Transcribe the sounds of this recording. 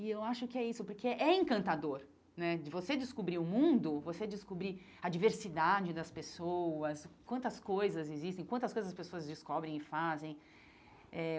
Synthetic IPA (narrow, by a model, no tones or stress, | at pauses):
ɪewaʃʊkɪɛisʊpʊɾkʰeʔɛẽŋkɐ̃nt̪ad̪oɾ | nɛd͡ʒɪvosed͡ʒɪskubɾiʊmũnd̪ʊvosed͡ʒɪskubɾi | ɐd͡ʒiveɾsid̪ad͡ʒɪd̪ɐspesowɐskwɐ̃nt̪ɐskojzɐzɪzist̪ẽj̃kwɐ̃nt̪ɐskojzɐzɐspesoɐzd͡ʒɪskɔbɾẽj̃ɪfazẽj̃ | ɛ